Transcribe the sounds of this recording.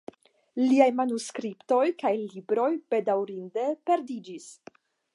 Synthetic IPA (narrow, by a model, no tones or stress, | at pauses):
liajmanuskɾipto̞jkajlibɾo̞jb̥e̞dawɾinde̞pe̞ɾdid͡ʒis